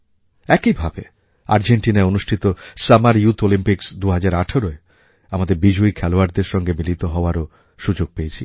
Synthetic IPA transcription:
ɛkibʱabe | a̰ɾd͡ʑeɳʈinaeonuʃʈʰit̪osamaɾjut̪ʰolimpiksd̪uɦad͡ʑaɾaʈʰoɾoe | amad̪eɾbid͡ʑoikʰɛloaɾd̪eɾʃɔŋɡemilit̪oɦɔoaɾo | ʃud͡ʑoɡ̚pejet͡ɕʰi

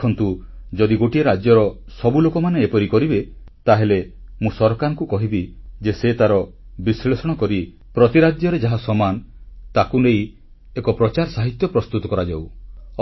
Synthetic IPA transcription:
ɔnt̪ud͡ʒɔd̪iɡoʈieɾad͡ʒjɔɾɔ | sɔbulokɔmaneepɔɾikɔɾibet̪aɦelemũsɔɾɔkaɾɔŋkukɔɦibid͡ʒeset̪aɾɔbisɭesɔɽ̃ɔkɔɾi | pɾɔt̪iɾad̪jɔɾed͡ʒaɦasɔmant̪akunej | ekɔpɾɔt͡ʃaɾsaɦit̪jɔpɾɔst̪ut̪ɔkɔɾad͡ʒaw

